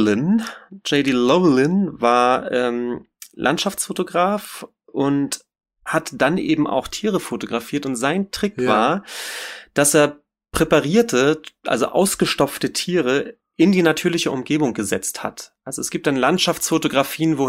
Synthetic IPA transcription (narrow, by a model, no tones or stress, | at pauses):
ɪnd͡ʒɛɪdilɔlɪnvaːɐʔɛːm | lʔa̰ntʃaft͡sfotoɡʁaːf | ʔʊnt | hatd̥anʔeːbm̩ʔa̰ʊxtʰiːʁəfotoɡʁafiːɐtʊntz̥aɪntʁ̥ɪkv̥aːɐ | d̥aseːɐ | pʁ̥epaʁiːɐtʰəʔa̰lzo̰ʔa̰ʊsɡ̥əʃtɔpp͡ftətʰiːʁə | ʔɪndiːnatʰyːɐlɪçəʔʊmɡeːbʊŋɡəzɛt͡stha̰tʔalzoɛsɡ̥iːp̚td̥anlantʃaft͡sfotoɡʁafiːənvoː